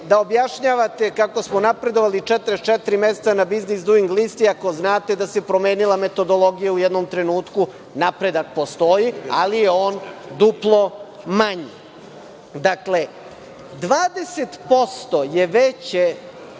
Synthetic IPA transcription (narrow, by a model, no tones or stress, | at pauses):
d̪aobjaʃɲaʋat̪e̞kako̞smonapɾe̞d̪o̞ʋalit͡ʃɛt̪ɾest͡ʃet̪ɾimese̥t̪sanabiznisd̪uiŋɡlist̪iako̞znaːt̪e̞d̪ase̞pɾo̞me̞ːnilˠame̞t̪o̞d̪o̞lˠo̞ɡijaujɛd̪nomt̪ɾe̞nuːt̪ku | napɾe̞d̪ak̚po̞st̪o̞jia̰lijeo̞ːnd̪uplˠo̞ | maɲi | d̪akle̞ | d̪ʋaːd̪e̞set̪po̞st̪o̞jeʋet͡ɕe